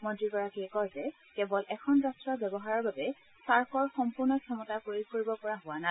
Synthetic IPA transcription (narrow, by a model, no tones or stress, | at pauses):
mɔndɹikɔɹakikɔzɛ | kɛbɔlʔɛkʰɔnzastɹɔbjɛbɔɦaɹɔɹbabɛ | saɹkʰɔɹxɔmpuɹnɔkʰɛmɔtakoikoɹibɔpɔɹaɦʊwana